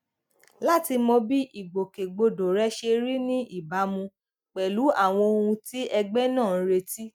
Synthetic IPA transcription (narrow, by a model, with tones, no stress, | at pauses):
la˦ti˧mɔ̃˧bi˦ʔi˦˨ɡ͡bo˨ke˨ɡ͡bo˧do˨ɾɛ˦ʃe˧ɾi˦nĩ˦ʔi˦˨ba˨˦mũ˧ | k͡pɛ˨lu˨˦a˦˨w̃ɔ̃˧o˧hũ˧ti˦ʔɛ˧ɡ͡bɛ˦nãː˦˨˦ɾe˧ti˦